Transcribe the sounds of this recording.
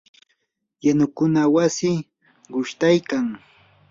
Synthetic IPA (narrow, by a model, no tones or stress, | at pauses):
janʊkʊnawasɪ | ɢʊʃt̪ajkaŋ